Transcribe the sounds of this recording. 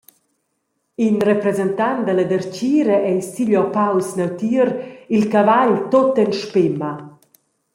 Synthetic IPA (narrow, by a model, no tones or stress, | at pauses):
inrɛpɾɛzɛnt̪and̪əlad̪ɛɾt͡ʃiːɾəʔɛjsiʎɔpawsnawt̪iːɾilkavaʎt̪ot̪ɛnʃpɪma